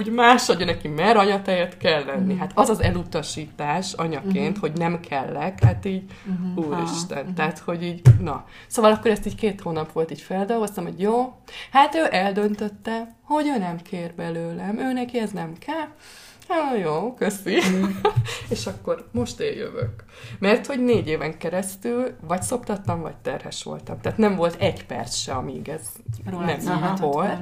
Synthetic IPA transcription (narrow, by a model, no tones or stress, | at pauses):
uːɟmaːʃoɟøːnɛkimɛɾɒɲɒt̪ɛjɛt̪kɛlːɛnːiɦat̪ʰɒzɒzɛlut̪ɒʃiːt̪aːʃɒɲɒkeːnt̪ho̞ɟnɛmkʰɛlːɛkhat̪iːɟuːɾḭʃt̪ɛnt̪ɛaːt̪ho̞ɟiːɟnɒ | soːvɒlɒkːo̞ɾɛst̪iːckeːt̪hoːnɒpʋo̞lt̪iːɟfɛld̪o̞lɡo̞st̪ɒmho̞̰ɟjoːhat̪øːʔɛld̪ø̞nt̪ø̞t̪ːɛho̞ɟøːnɛmkʰeːrbɛløːlɛmøːnɛkiɛznɛmkʰɛl | ojoːkøsi | eːʃɒkːo̞rmo̞ʃt̪ḛːjø̰vø̰k | mɛrt̪ho̞ɟneːɟeːvɛŋkɛɾɛst̪ylvɒcso̞pt̪ɒt̪ːɒmvɒ̰c̚t̪ɛrhɛ̰ʃʋo̞̰lt̪ɒmt̪aːt̪nɛɱmvo̞lt̪ɛɟpɛ̰rt̪sʃɛɒmiiɡɛz | nɛmol